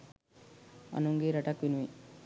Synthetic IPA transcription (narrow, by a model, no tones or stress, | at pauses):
ɐ̰nuŋɡeːɾɐʈakʋinuʋi